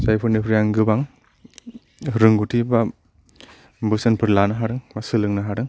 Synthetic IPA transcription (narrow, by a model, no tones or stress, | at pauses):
sajpʰɯɾnipʰɾijaŋɡɯbaŋ | ɾɯŋɡutʰiba | bɯsenpʰɯɾlanaɦaɾɯŋbasɯlɯŋnaɦaɾɯŋ